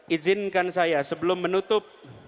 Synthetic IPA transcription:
ʔid͡ʒɪnkansajasəbəlʊmːənut̪ʊp̚

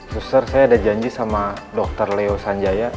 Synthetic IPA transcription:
susərsajaːdad͡ʒaɲd͡ʒisamadɔk̚t̪ərleosaɲd͡ʒaja

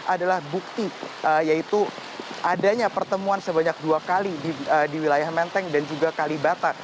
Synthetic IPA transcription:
ʔadalahbuk̚t̪iəjait̪u | ʔadaɲapərt̪əmuansəbaɲak̚duakalidiədiwilajahmɛnt̪ɛŋdand͡ʒuɡakalibat̪a

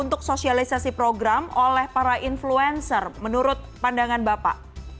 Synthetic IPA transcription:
unt̪ʊk̚sosialisasipɾoɡɾamolɛhpaɾaʔinfluɛnsərmənuɾʊt̪̚pandaŋanbapa̰ʔ

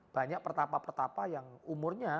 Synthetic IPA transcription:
b̥a̤ɲak̚pərt̪apapərt̪apajaŋumʊrɲa

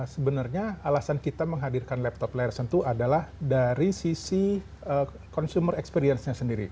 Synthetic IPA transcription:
səbənarɲaalasankit̪aməŋɦadirkanlɛp̚t̪ɔplɛɛrsənt̪uadalahdaɾisisi | ə | kɔnsumərɛkspeɾiɛnsɲasəndiɾḭ

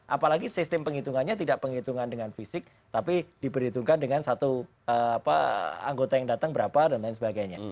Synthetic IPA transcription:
ʔapalaɡisɪst̪ɪmpəŋit̪uŋanɲat̪idaʔpəŋit̪uŋandəŋanfisɪk̚ | t̪apid̥ipəɾhit̪uŋkandəŋansat̪u | əapa̰a̰ŋɡot̪ajaŋdat̪əŋbəɾapadanlaɪnsəbaɡajɲa̰

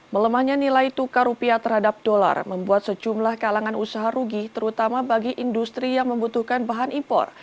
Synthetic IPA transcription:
mələmahɲanilajt̪ukaɾupiat̪ərɦadap̚dola̰rməmbuat̪̚səd͡ʒumlahkalaŋanusaɦaɾuɡit̪əɾut̪amabaɡiʔindust̪ɾijaŋməmbut̪uhkanbaɦanʔimpɔ̰r

